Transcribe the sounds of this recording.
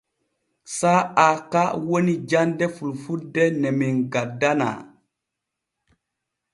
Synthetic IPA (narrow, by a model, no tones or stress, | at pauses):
saakawonid͡ʒandɛfulfudɛnɛminɡadana̰